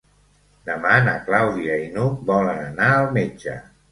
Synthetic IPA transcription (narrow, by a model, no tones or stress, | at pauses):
d̪əmanəklawðiəinuk̚bɔlənənaəlˠmed͡ʒə̰